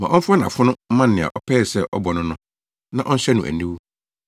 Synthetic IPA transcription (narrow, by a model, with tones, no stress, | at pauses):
mã˨ʔɔ̃˦fʊ˦a˦nã˨fʊ˦nʊ̃˦m˦mã˦n˨nɪ̃˨a̰˨ʔɔ˦pʰɛː˦˨sɛ˦˨ʔɔ˦bɔ˨nʊ̃˦nʊ̃˦ | nã˦ʔɔ˦n̩˦ɕɛ˦nũ˨ʔæ̰˨nĩ˦wu˦